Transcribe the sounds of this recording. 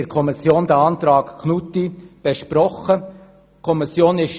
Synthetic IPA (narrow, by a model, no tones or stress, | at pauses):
ɾkʰɔmɪsjoːnd̥̪əɑnt̪ɾɑːkkʰnut̪ib̥ɛʃpɾɔχə | kʰɔmɪsjoːnɪʃ